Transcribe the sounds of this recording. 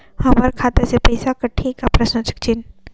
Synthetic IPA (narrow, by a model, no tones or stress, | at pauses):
hɐməɾkʰaːt̪esepɐɪsakɐʈʰikːapɾɐʃnət͡ʃə̥k̚t͡ʃɪn